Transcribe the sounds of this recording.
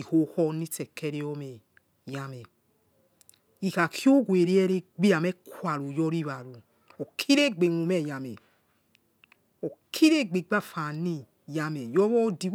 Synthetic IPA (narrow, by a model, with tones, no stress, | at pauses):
i˨ho˨˦hɔ˦ni˦tɛ˨kːɛ˦ɾe˦ɔ˦mɛ˨ | ja˨˦mɛ˨ | i˨ka˨kjo˦ɡwe˨ɾi˦ɛ˦ɾe˦ɡ͡bi˦a˨mɛ˦kwa˨ɾu˨jɔ˦ɾi˦˨βa˨ɾu˨ | o˨kʰi˦ɾe˦ɡ͡be˨ŋu˨mɛ˦˨ja˨mɛ˨ | o˨kʰi˦ɾe˦ɡ͡be˨ɡ͡ba˦˨fa˨ni˦ | ja˧mɛ˨jɔ˦βɔ˦di˦